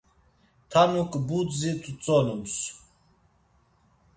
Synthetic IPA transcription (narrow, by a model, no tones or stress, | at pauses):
t̪ʰanukʼbut̪zit̪ʰʼut͡sʼɔnums